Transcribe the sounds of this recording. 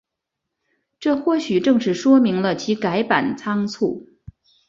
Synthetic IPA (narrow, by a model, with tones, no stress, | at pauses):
ʈ͡ʂɤ˥˧xwɔ˥˩ɕy˨˩ʈ͡ʂɤ˥˧ŋʂɻ̩˥˩ʂwɔ˥mi˧˥ŋlə˧t͡ɕʰi˧˥ka˧˥ɪpa˨˩nt͡sʰɑ˥ŋt͡sʰṵ˥˩